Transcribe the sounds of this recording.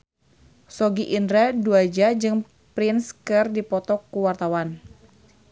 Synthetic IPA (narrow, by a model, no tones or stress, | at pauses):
sɔɡiʔːndɾaduad͡ʒad͡ʒɨŋ | pɾinskɨrdipɔt̪ɔkːuwart̪awan